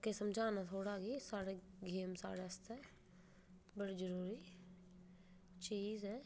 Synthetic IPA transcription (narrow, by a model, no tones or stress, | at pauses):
kesəmd͡ʒʱaːnat̪ʰoːɽaɡisaːɽeɡeːmsa̰ːɽeɐst̪ɛː | bəɽid͡ʒəɾuːɾi | t͡ʃiːzɦɛː